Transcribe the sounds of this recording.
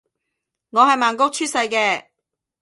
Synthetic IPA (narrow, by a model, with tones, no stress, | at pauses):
ŋɔː˨˧ɦɐ˨jmaː˨nkʊ˥k̚t͡ʃʰyː˥sɐ˧jkɛː˧